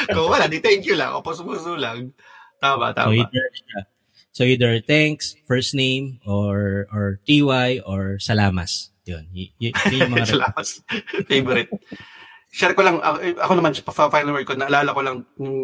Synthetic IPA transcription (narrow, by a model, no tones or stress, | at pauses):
kowɐlad̪it̪ɛŋkjʊlɐ̰ʔo̰pɐsʊpusulɐɡ̚ | t̪aːma̰ʔt̪a̰ːoʔid̪ɛa | soid̪ɛɹt̪ɛŋksfɛɹst̪nejmʔoɹʔɔɹt̪iːwajʔoɹsɐlaːmas | jonjjʊnɲʊmɐɐsɾɐlamɐsfejbɔɾɪt̪̚ | ʃɛɾɛkolɐŋʔɐ̰ʔɐkonɐmanɐpɐfafajnɐlwɛkonɐɐlaːlɐkolɐŋnʊŋ